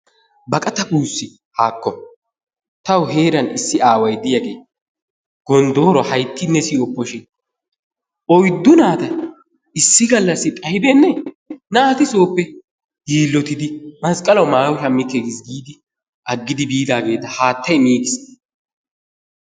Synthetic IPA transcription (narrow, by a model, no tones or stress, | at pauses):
bɐkʼɐt̪ɐkuːsːɪ | haːkːɔ | t̪ɐwɦeːɾɐnɪsːɪaːwɐjd̪ɪjaɡe̞ː | ɡ̥ɔnd̪oːɾɔhɐjt̪ːɪnːɛsiːɔpːɔʃɪn | ʔɔjd̪ʊnaːt̪ɐ | ɪsːɪɡɐlːɐsːɪkʼɐhɪbenːɛ | nat̪ɪso̞ːpːɛ | ɡiːlːɔt̪ɪd̪ɪmɐskʼɐlɐwmaːwʊʃɐmːɪkːeːɡɪsɡiːd̪ɪ | ʔɐɡːɪd̪ɪbiːd̪aːɡe̞ːt̪ːɐhaːt̪ːɐjmiːɡɪs